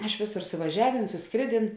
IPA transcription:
ˈɪʃ ˈʋʲeːˌsoːr sʊʋɐˈʒʲæːˌʋʲeːn sʊsˈkrʲeːˌdʲeːn

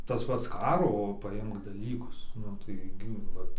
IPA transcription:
tɐs ˈpɐts ˈkɑːroː pɐˈɪmk dɐˈlʲiːkʊs ˈnʊ tɐɪ ˈɡʲɪ ˈʋɐt

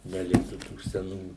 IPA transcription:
nʲɛˈlʲɪktuː tuː sʲɛˈnuː

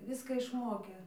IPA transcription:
ˈʋʲɪskɐ ɪʃˈmoːkʲeː

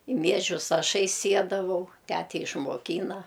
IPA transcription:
ɪ ˈmʲiɛʒʲʊs ˈɑːʃɐɪ ˈsʲiɛdɐʋɐʊ ˈtʲætʲɛ ɪʃmoːˈkʲiːnɐ

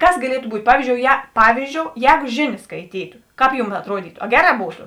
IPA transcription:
ˈkɐs ɡɐˈlʲiɛtʊ ˈbuːt ˈpɑːʋʲiːzʲd͡ʒʲoːʊ jɛ ˈpɑːʋʲiːzʲd͡ʒʲoːʊ ˈjɛːɡʊ ˈʒʲeːˌnʲeːs skɐɪˈtʲiːtʊ ˈkɑːp ˈjuːm ɐtˈruɔdʲiːtʊ ɐ ˈɡʲæːˌrɑː ˈbuːtʊ

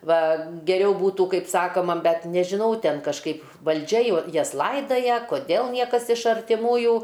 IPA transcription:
ˈʋɐ ɡʲɛˈrʲɛʊ ˈbuːtuː ˈkɐɪp ˈsɑːkoːmɐ ˈbʲɛt nʲɛʒʲɪˈnɐʊ ˈtʲɛn kɐʃˈkɐɪp ʋɐlʲˈd͡ʒʲɛ joː ˈjɛs ˈlˠɐɪdɐjɛ koːˈdʲɛlˠ ˈnʲiɛkɐs ɪʃ ɐrʲtʲɪˈmuːjuː

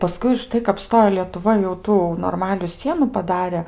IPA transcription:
pɐˈskʊɪ ʊʃˈtɐɪ kɐp ˈstoːjoː lʲiɛtʊˈʋɐ jɛʊ ˈtuː noːrˈmɑːlʲʊ ˈsʲiɛnʊ pɐˈdɑːrʲɛ

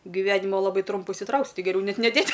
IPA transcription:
ɡʲɪˈʋʲæːnʲɪmoː lˠɐˈbɐɪ ˈtrʊmpʊ ɪʃʲsʲɪˈtrɐʊksʲɪ ˈtɐɪ ɡʲɛˈrʲɛʊ ˈnʲɛt nʲɛˈdʲeːtʲ

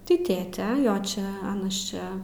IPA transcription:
tʲɪ ˈtʲeːtʲɛ ˈjoː ˈt͡ʃʲɛ ˈɑːnɐs ˈt͡ʃʲɛ

